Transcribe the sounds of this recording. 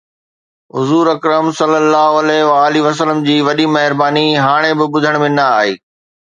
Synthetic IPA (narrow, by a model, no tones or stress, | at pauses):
ɦʊzuːɾɐkɾəmsɐlːəlːaːɦoɐlɛʋaːliʋɐs̬ələmd͡ʑiːʋɐɗimɐɦɪɾbaːniɦaːɽ̃ebɪɓʊd̪ʱəɽ̃mẽnɐaːɦḛː